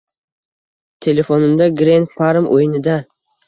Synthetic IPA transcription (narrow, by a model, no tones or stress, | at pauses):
t̪ʰe̞le̞fonɪmd̪aɡɾenfaɾmʔo̰jɪnɪd̪a